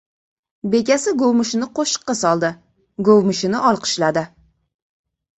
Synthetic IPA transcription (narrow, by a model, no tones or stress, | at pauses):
be̞kʲasɪɡowmɪʃɪnɪqʰoʃɨ̥qːɑsɒlˠd̪ɪ | ɡowmʊʃɪnɪʔɒlˠqʰɨ̥ʃlad̪ɪ